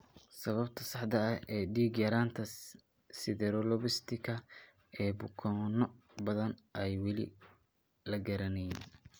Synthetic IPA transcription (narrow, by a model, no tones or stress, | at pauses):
sɐβɐbt̪ʰɐsɑħd̪ɐɐhɛːɖiːɡjɐɾaːnt̪ʰɐ | sɪðɛɾɔlɔβɪst̪ʰɪkʰɐ | ɛːbʊkʰɔnɔ | bɐðɐnʔɛjwɑlɪ̰ | lɐɡɐɾɐnɛjin